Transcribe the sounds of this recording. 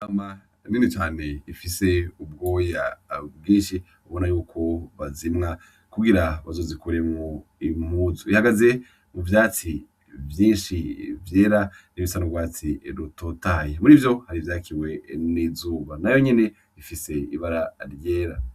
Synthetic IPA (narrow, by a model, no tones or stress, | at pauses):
ama | ninit͡ʃaːne̞ifise̞ub̚ɡo̞ːjab̚ɡiːʃi | uβo̞najuːkʰo̞βazimŋa | kuɡiɾaβazo̞ːzikuɾe̞moimuzuihaɡaze̞ | muvjaːt͡si | vjiːnʃivje̞ːɾa | niβisanoɡwaːt͡siɾutotajemuɾivjo̞haɾivjaːkʰiwe̞nizuːβanajo̞ɲene̞ | ifise̞iβaɾaɾjeːɾa